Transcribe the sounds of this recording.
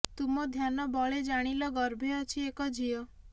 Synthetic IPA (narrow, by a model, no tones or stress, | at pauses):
t̪umɔd̪ʱjanɔbɔɭed͡ʒaɽ̃ilɔɡɔɾbʱɔt͡ʃʰiekɔd͡ʒʱijɔ